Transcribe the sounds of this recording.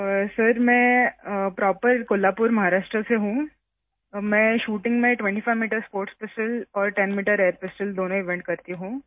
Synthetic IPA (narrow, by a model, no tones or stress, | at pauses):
sɐɾmɛ̃ːpɾɔːpəɾkʊlːaːpʊɾmɐɦaːɾaːʃʈɾəseɦũː | mɛ̃ːʃuːʈɪ̃ŋɡmẽʈʋɛ̃ɳʈifʰaɪmiːʈəɾspoːɾʈspɪsʈəlɔːɾʈɛnmiːʈəɾeːɾpɪsʈəld̪oːnõɪʋɛ̃ɳʈ̚kɐɾt̪iɦũː